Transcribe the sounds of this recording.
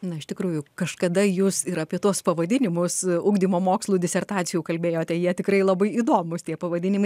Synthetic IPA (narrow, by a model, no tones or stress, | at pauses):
nɐɪʃt̪ʲɪkɾuːjʊkɐʃkɐd̪ɐjuːsɪɾɐpʲiɛt̪uɔspɐʋɐd̪ʲɪnʲɪmʊsʊːɡd̪ʲiːmoːmoːkslˠuːd̪ʲɪsʲɛrt̪ɑːt͡sʲɪjuːkɐlʲbʲeːjoːt̪ʲɛjiɛt̪ʲɪkɾɐɪlˠɐbɐɪiːd̪oːmʊst̪ʲiɛpɐʋɐd̪ʲɪnʲɪmɐɪ